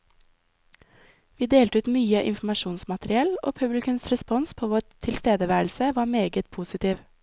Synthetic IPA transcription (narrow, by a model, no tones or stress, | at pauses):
ʋiːd̪eːlt̪əʉːt̪myːəʔɪnfm̩ɑʃuːnsmɑt̪ɾɪɛlo̰ːpʰʉblɪkʉnsɾɛspɔnspʰoːʋoːɾt̪ʰɪlst̪eːd̪əʋæːɾl̩səʋɑːmeːɡət̪̚pʰuːsɪt̪ʰiːʋ